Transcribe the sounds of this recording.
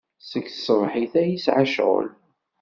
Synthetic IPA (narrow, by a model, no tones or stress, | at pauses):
səkθsvˤħiθæjisʕaʃʁə̰l